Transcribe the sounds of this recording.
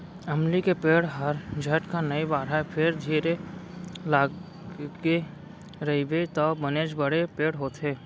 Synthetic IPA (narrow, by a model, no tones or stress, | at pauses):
ɐmlikepeːɽɦɐɾd͡ʒʱɐʈkanɐibaːɾapʰɪɾd̪ʱiːɾe | laː | ɡe | ɾɐibet̪ɔbəneːd͡ʒbəɽepeːɽɦoːt̪ɦeː